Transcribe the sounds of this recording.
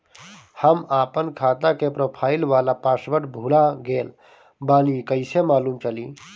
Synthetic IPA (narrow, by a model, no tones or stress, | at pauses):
həmaːpənkʰaːt̪akepɾoːpʰaːɪlʋaːlapaːsʋəʈbʱulaɡeːl | baːnikəɪsemaːluːmt͡ʃəli